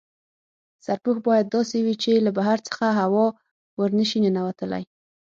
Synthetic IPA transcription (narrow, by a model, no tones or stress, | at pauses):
saɾpuxbɑjad̪̚ːɑsewit͡ʃelabaɦaɾt͡sə̥xaɦawɑ | wəɾnəʃinənawat̪əla̰j